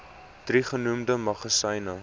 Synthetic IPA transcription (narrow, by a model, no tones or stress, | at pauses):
d̥riχənumdəmɐχəsɐjnə